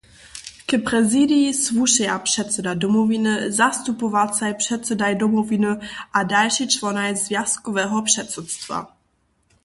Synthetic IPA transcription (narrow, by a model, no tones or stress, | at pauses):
kəpɾɛzidiisvuʃɛapr̥ɛt̪t͡sɛdadɔmɔvinɨzast̪upɔvat͡sajpʂɛt̪sɛdajdɔmɔvinɨʔadalʃit͡ʃlɔnajzvjaskɔvɛːɦɔpʂɛt̪sut̪st̪va̰